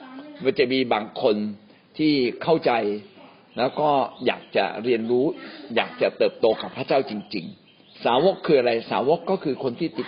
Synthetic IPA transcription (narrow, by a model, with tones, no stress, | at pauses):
waː˥˩t͡ɕa˨˩ʔmiː˧baː˧ŋkʰo˧n | t̪ʰiː˥˩kʰa˥˩wt͡ɕa˧j | lɛː˦˥wkɔː˥˩ja̰ː˨˩k̚t͡ɕa̰˨˩ɾi˧ənɾuː˦˥jaː˨˩k̚t͡ɕa˨˩t̪ɤː˨˩p̚t̪oː˧ka˨˩pʰːaː˥˩t͡ɕaː˥˩wt͡ɕi˧ŋt͡ɕḭ˧ŋ | saː˩˦wo˦˥kʰːɯː˧ʔa˧ɾa˧jsaː˩˦wo˦˥kːɔː˥˩kʰɯː˧kʰo˧nt̪ʰiː˥˩t̪i˨˩